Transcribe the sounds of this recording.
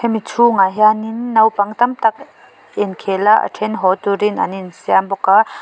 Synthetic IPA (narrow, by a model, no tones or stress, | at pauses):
ɛmit͡sʰuŋajɦaninːɐwpɐŋt̪ɐmt̪ɐk̚ | ɛnkʰɛlaʔa̰ʈʰɛnɦɔt̪uɾina̰ninsiambɔka